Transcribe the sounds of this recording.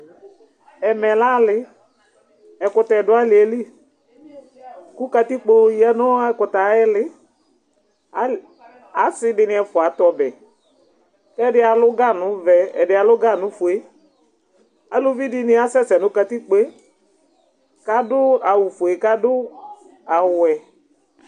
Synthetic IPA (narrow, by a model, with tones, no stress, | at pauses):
ɛ˨mɛ˨la˦lɪ˨ | ɛ˨kʊ˨ta˨ɛ˨dʊ˦a˦lɪ˨e˨li˦ | kʊ˦ka˧t̪i˦k͡po˦ja˦nʊ˦a˦kʊ˨ta˨˦ɛ˦lɪ˦˨˦ | a˨˦sɪ˦dɪ˧nɪ˧ɛ˨fʊ˨a˨˦t̪ɔ˨bɛ˨ | kɛ˦dɪ˦a˨lʊ˦ɡa˦nʊ̃˨˦vɛ˨ɛ̰˨dɪ˨˦a˨lʊ˦ɡa˦˨nʊ̃˨˦fʊ˨e˦ | a˨lo˦vi˦dɪ˦nɪ˦a˨sɛ˦sɛ˨nʊ̃˦ka˧t̪i˦k͡pe˦ | ka˦dʊ˦a˨wʊ˨fʊ˨e˨ka˦dʊ˦ | a˨wʊ˨ɛ˨